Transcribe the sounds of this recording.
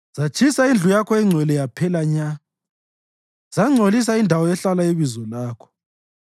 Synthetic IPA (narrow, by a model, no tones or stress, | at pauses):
z̥at͡ʃʰisaind͡ɮʱujakʰɔɛŋ͡ǀʱwɛlɛjapʰɛlaɲa | z̥aŋ͡ǀʱolis̬aindʱawɔɛɬalaiβizɔlaːkʰɔ̥